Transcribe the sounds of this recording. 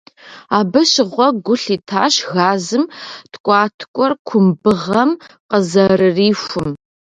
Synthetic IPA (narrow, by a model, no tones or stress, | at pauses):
aːbɨɕɪʁʷɔɡʷʊɬiːtʰa̰ːʃɣaːzɨmtʰkʷʼɑːtʰkʷʼɔrkʷʰʊmbɨʁɐmqəzɐrɨriːʃʷʊm